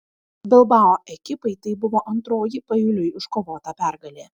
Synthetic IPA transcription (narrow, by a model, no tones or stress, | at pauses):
bʲɛlˠbɑːoːʔɛkʲɪpɐɪt̪ɐɪbʊʋoːʔɐnt̪ɾoːjipɐjʊlʲʊjɪʃkoːʋoːt̪ɐpʲæˑɾɡɐlʲeː